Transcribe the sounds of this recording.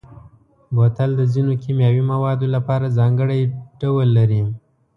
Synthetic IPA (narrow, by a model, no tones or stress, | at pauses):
bot̪ald̪əzinokimjɑwimawɑd̪olapɑɾazɑŋɡəɽajɖ̥awəlːaɾi